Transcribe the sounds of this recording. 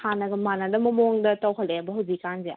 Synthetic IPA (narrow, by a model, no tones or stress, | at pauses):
hanɐɡɐmanɐdɐmɐmoŋdɐtawɦʰɐlːeɐbɐɦɐwzikːanze